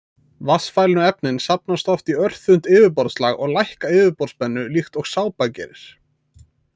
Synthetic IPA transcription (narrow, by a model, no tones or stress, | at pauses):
vasfajlɪnʏɛpnɪnsap̚nast̪ɔft̪iœr̥θʏn̥t̪ɪːvɪp̬ɔɾt̪slaɣɔɣlajhkaɪːvɪpɔɾt̪spɛnːʏlixt̪ɔɣsaːwpacɛ̰ːɾɪɾ̥